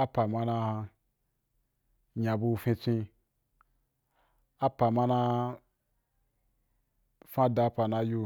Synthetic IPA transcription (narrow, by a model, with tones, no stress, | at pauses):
a˦pa˨ma˧na˧ha˧ | ɲã˨bu˧fĩ˧t͡ʃʷĩ˧ | a˦pa˨ma˧na˧ | fã˦da˧˦pa˨na˧ju˧